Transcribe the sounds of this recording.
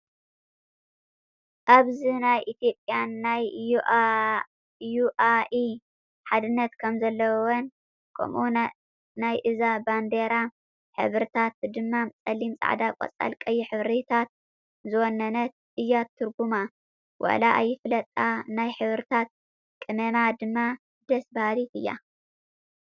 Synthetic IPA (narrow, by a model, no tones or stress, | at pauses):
ʔaβzinajʔit̪ʰjo̞pʼjanːaj | juʔai | ħad̪ɨnːɐt̪kʰɐmzɐlːɐwwɔn | kʰɐ̰mʔu | najʔɨzaband̪eɾa | ħɨ̰βɾɨt̪ʰat̪d̪ɨmːat͡sʼɐlːimsʼa̰ʕd̪akʷʼɐ̰t͡sʼa̰lkʼɐjːiħɨβɾit̪ʰat̪̚ | zɨwɔnːɐnɐt̪̚ʔɨjːat̪ʰːuɾɡuma | wʔa̰laʔa̰jːɪflɐt̪ʼːanajħɨβɾɨt̪ʰat̪̚ | kʼɨmɐmad̪ɨmːa | d̪̥ɐsbalit̪ɨjːa̰